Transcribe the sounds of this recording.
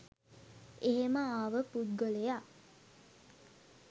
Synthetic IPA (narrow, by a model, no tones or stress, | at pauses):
eɦeməaːʋəpud̪̚ɡoleja